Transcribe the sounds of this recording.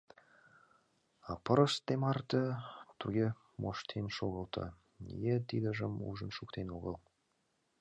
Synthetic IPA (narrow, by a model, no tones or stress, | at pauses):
apəɾost̪emɑrt̪ət̪ʰuɡʲe | mʔoʃt̪ʰenʃoɣəlˠt̪ʰə̰ | ḭjet̪id̪əʒəmṵʒənʃukt̪ʰenoɣəlˠ